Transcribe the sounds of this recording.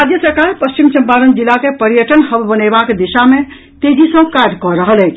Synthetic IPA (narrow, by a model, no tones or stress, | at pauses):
ad̪jəsəɾkaɾpəst͡ʃimsə̃mpaɾənd͡ʒilːakepəɾijəʈənɦəbbənebakd̪iʃame | t̪ed͡ʒʱisə̃kaɾɖkɔɾəɦəlɛjt͡ʃʰ